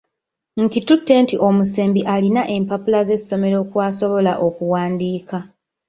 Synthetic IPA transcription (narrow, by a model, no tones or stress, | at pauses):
ŋ̩kitutːe̞ntiʔo̞muse̞ːmbiʔalinaʔe̞mpapulaze̞sːo̞me̞ɾo̞ːkwaːso̞βo̞laʔo̞kuwaːndiːka